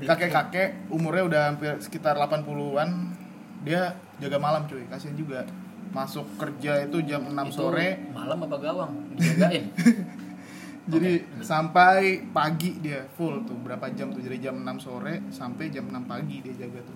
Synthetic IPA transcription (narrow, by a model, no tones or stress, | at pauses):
kakɛkakɛʔumʊrɲaudahampɪrsə̥kit̪arlapanpuluan | dia | d͡ʒaɡamalamt͡ʃoikasiand͡ʒuɡa | masʊkːərd͡ʒait̪ud͡ʒamənammsoɾɛma̰lamapaɡawaŋaɡaɪn | d͡ʒadisampajpaɡidiafʊlt̪ʊhbəɾapad͡ʒamt̪ʊd͡ʒadid͡ʒamənamsoɾɛsampajd͡ʒamənampaɡidiad͡ʒaɡat̪ʊ